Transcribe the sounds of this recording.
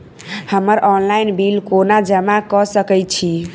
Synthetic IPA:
həməɾʔɔnlajnbilkonad͡ʒəmakɔsəkɛjt͡ʃʰi

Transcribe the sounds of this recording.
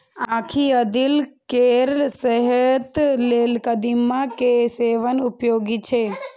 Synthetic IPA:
ãːkʰiəd̪ilkeɾsəɦət̪leːlkəd̪imːãkeseʋənʊpjoːɡit͡ʃʰe

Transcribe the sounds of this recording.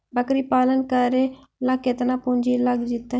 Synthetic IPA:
bəkɾiːpaːlənkəɾeː | ləkːɪt̪naːpʊɲd͡ʒiːləɡd͡ʒɪt̪ːa

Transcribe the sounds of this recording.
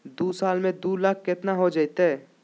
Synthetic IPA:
d̪uːsaːlmẽd̪uːlaːkʰket̪naɦod͡ʒait̪e

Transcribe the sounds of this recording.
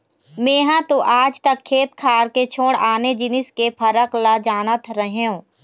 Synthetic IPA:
mẽːɦãt̪oʔaːd͡ʒt̪əkʰːeːt̪̚kʰaːɾket͡ʃʰoːɽaːned͡ʒɪnɪskepʰəɾəklad͡ʒaːnət̪ʰɾəɦeɦũː

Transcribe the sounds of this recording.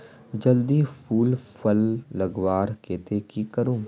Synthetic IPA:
d͡ʒɐld̪ipʰuːlpəlːɐɡʋaːɾkeːt̪ekikəɾũː

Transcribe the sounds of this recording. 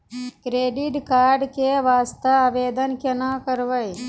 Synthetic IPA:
kɾeːɖiʈkaːɾɖkeʋaːst̪əaʋeːd̪ənkɐnakəɾʋəj

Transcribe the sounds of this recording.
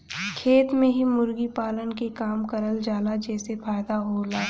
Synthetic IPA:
kʰeːt̪mẽɦimʊɾɡipaːlənkekaːmkəɾəld͡ʒaːlad͡ʒɛːsefaːjd̪aɦoːlaː

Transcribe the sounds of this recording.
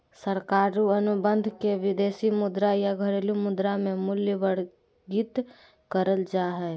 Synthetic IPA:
səɾkaːɾuənʊbə̃nd̪ʱkeʋɪd̪eːsimʊd̪ɾajaɡʱəɾeːlumʊd̪ɾamẽmʊljəʋəɽ | ɡit̪ | kəɾəld͡ʒaːɦɛː

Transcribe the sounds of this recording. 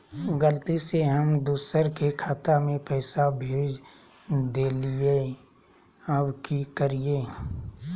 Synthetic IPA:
ɡəlt̪iseɦəmd̪uːsəɾkekʰaːt̪amẽpɛːsabʱeːd͡ʒ | d̪eːlie | əbkikəɾieː

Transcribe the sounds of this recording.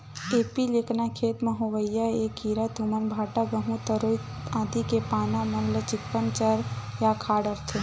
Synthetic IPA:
eːpileknakʰeːt̪məɦoʋəjːaekiɾat̪umənbʱaːʈaɡəɦũt̪əɾoiãːd̪ikepaːnamɐnlət͡ʃɪkːənt͡ʃəɾjakʰaːɽəɾt̪ʰe

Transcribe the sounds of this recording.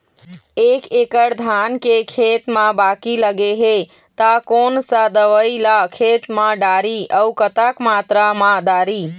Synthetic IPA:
ekekəɽd̪ʱankekʰet̪mãbakiləɡeɦe | t̪akonsad̪əʋəilakʰet̪mãɖaɾiəukət̪akmat̪ɾamãɖaɾi

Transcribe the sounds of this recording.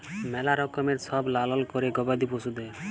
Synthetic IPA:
mɛlaɾɔkɔmeɾsɔblalɔlkɔɾeɡɔbad̪iposud̪ɛ

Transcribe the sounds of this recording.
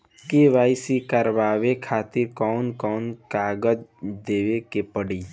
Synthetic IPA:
keʋaːɪsikəɾʋaːʋekʰaːt̪ɪɾkɔːnkɔːnkaːɡəd͡ʒd̪eːʋekepəɽiː

